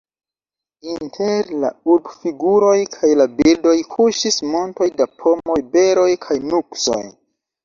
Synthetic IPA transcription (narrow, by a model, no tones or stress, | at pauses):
intʰeɾla̰uɾbfiɡuɾo̞jkʰajlabiɾdo̞jkʰuʃismo̞nto̞jdapʰo̞mo̞jbe̞ɾo̞jkʰajnukso̞̰j